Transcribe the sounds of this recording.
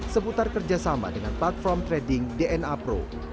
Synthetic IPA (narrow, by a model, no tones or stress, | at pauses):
səput̪arkərd͡ʒasama̰dəŋanplat̪̚fɔrmt̪ɾɛdɪŋdeɛnapɾo̰